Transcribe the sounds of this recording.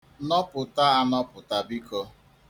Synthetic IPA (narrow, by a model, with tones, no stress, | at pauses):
nɔ˦pʊ˨ta˦a˦nɔ˦pʊ˨ta˨bi˦kɔ˦